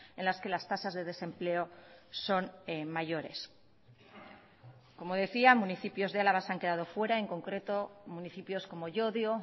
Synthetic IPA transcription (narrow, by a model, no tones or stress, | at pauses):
e̞nlaske̞last̪asazðe̞ðe̞sẽ̞mple̞o̞so̞nmaʝo̞ɾe̞̰s | ko̞mo̞ð̞e̞θiamũniθipjo̞zðealaβasaŋke̞ðað̞o̞fwe̞ɾae̞ŋko̞ŋkɾe̞t̪o̞muniθipjo̞sko̞mo̞ʝo̞ðjo